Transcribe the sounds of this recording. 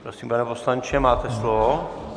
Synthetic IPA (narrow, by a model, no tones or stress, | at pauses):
pɾosimpanɛposlaɲt͡ʃɛmaːt̪ɛslovo